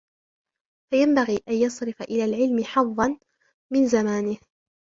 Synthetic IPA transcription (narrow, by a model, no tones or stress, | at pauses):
fajambaɣiːʔanjɑsˤɾɪfaʔɪlaːlʕɪlmɪħɑðˤːɑn | mɪnzamaːnɪh